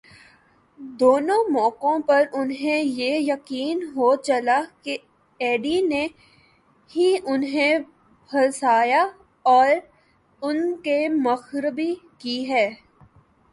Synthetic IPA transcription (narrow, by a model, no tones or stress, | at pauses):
d̪oːnõmɔːkõpɐɾʊnɦẽjejɐqiːnɦoːt͡ʃɐlake | eːɖine | ɦiʔʊnɦẽ | bʱɐlsaːja | ɔːɾ | ʊnkemɐxɾbikiɦɛː